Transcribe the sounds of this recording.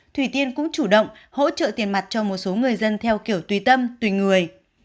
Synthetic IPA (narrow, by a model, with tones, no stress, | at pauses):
t̪ʰwi˧˩t̪i˧ənkʊ̰˧˥ŋ͡mt͡ɕu˧˩ɗə̰˧˨wŋ͡mho̰˧˥t͡ɕə̰ː˧˨t̪i˨˩ənma˨˩t̚t͡ɕɔ˧mo˨˩t̚so˨˦ŋɨ˨˩əjzə˧nt̪ʰɛ˧wki˧˩əwt̪wi˨˩t̪ə˧mt̪wi˧˨˩ŋɨ˨˩əj